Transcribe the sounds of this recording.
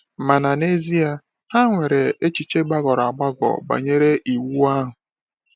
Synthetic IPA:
ma˨na˨ne˦zi˦a˨ | ha˦ŋʷe˨ɾe˨e˦t͡ʃi˨t͡ʃe˦ɡ͡ba˦ɡɔ˨ɾa˨ɡ͡ba˦ɡɔ̰˨ba̰˨ɲe˦ɾe˦ʔi˨wu˦a˦ɦʊ˨

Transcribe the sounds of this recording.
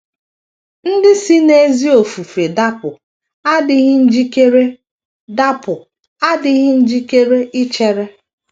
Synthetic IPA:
n̩˦dɪ˦si˦ne˦zi˦o˨fu˨fɾe˨da˦pʊ˨ | a˦dɪ˨ɣɪ˦n̩˦d͡ʒi˦ke˦ɾe˦ | da˦pʊ˨ | a˦dɪ˦ɣɪ˦n̩˦d͡ʒi˦ke˦ɾe˦ʔɪ˦t͡ʃe˦ɾe˦

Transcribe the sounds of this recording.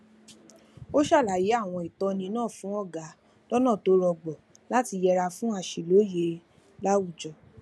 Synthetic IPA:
o˦ʃa˦˨la˨ji˨˦a˦˨w̃ɔ̃˧i˨tɔ˧nĩ˧nãː˦˨fũ˨˦ɔ˦˨ɡa˨˦ | lɔ˦nã˦˨to˨˦ɾɔ˧ɡ͡bɔ˨ | la˨˦ti˧jɛ˧ɾa˧fũ˦a˧ʃi˨lo˨˦je˧ | la˦wu˦˨d͡ʒɔ˨

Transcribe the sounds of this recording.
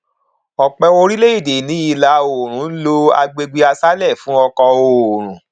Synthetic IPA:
ɔ˨k͡pɛ˧o˧ɾi˦le˦i˦˨de˨nĩ˨˦i˧la˨˦o˨ɾ̃ũ˨˦lo˦a̰˧ɡ͡be˧ɡ͡be˧a˧sa˦lɛ˦˨fũ˨˦ɔ˧kɔ˧o˨ɾ̃ũ˨

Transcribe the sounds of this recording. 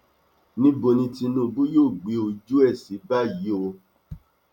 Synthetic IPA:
nĩ˦bo˧nĩ˧ti˧nũ˦˨bu˦joː˦˨ɡ͡bi˨˦o˧d͡ʒu˦ɛ˦˨si˨˦ba˦˨jji˨˦o˧

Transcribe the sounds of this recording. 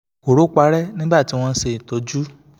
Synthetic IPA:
ko˨ɾo˨˦k͡pa˧˦ɾɛ˦nĩ˦ba˦˨ti˨˦w̃ɔ̃˦˧˦se˨i˨tɔ˨˧d͡ʒu˦

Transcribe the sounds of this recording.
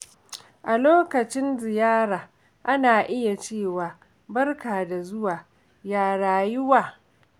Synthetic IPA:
ʔa˨loː˦kɐ˨t͡ʃɪ˦nzɪ˨jaː˦ɾaː˨ | ʔa˦naː˨ʔɪ˦ja˨t͡ʃeː˦˨waː˨ | bɐ˦rkaː˨da˨zʊ˦waː˨ | jaː˨ɽaː˨jʊ˦waː˨

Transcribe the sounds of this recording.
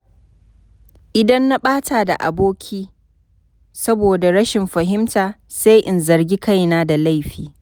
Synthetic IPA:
ʔɪ˨dɐ˦nːa˦ɓaː˦taː˨da̰˨ʔa̰˨boː˦kʲʰiː˦ | sɐ˦boː˨da˨ɽɐ˦ʃɪ˨mɸɐ˨ɦɪ˦mtaː˨ | sa˦jʔɪ˨nzɐ˨rɡʲi˦ka˦˨jnaː˦da˨la˦˨jɸiː˨

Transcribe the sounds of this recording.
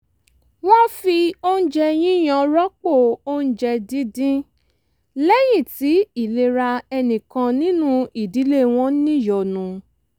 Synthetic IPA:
wa˦fi˧o˦n̩˦d͡ʒɛ˧j̃ĩ˦j̃ã˧˨ɾɔ˦k͡po˦˨o˦n̩˦d͡ʒɛ˧dĩ˦dĩ˦ | lɛ˦j̃ĩ˦˨ti˨˦i˦˨le˧ɾa˧ɛ˧nĩ˨kã˧nĩ˦nũ˦i˨di˨˦le˦˨w̃ɔ̃˧˦nĩ˦˨jɔ˨nũ˨˧

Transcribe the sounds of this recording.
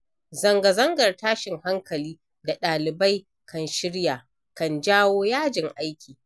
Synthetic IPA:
zɐ˨ŋɡɐ˨zɐ˦ŋɡɐ˨rtaː˦ʃɪ˨ŋha˦ŋkɐ˨liː˦ | da˨ɗaː˨lɪ˨ba˦j | kʰɐ˨nʃɪ˦ɽjaː˨ | kɐ˨nd͡ʒaː˦woː˦jaː˦d͡ʒɪ˨ŋʔa˦jkʲʰiː˨

